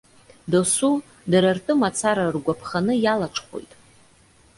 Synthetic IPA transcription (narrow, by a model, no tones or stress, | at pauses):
dasu | daɾartʼɨmat͡sʰaɾarɡʷapʰχanɨjalaʈ͡ʂʰχʷo̰jtʼ